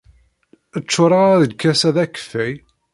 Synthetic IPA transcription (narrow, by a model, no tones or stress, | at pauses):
ət͡ʃːʊɾˤɑʁaðədkʰːæsæðækə̥fːæj